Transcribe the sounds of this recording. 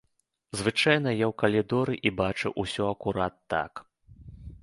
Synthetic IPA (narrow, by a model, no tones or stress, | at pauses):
zvɨt͡ʂajnɐjawkɐlʲid̪ɔɾɨʔibat͡ʂɨʔusʲɔɐkuɾat̪ːa̰k